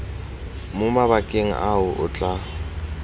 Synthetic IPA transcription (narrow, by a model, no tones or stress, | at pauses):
mʊmaβakʼeŋ̩ʔaʊʔʊ̰t͡ɬʼa